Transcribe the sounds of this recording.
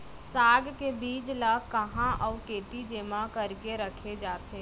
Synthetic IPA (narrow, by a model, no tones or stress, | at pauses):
saːɡkebiːd͡ʒlaːkəɦãʔɔːkeːt̪id͡ʒeːmãkəɾkeɾəkʰed͡ʒaːt̪ʰeː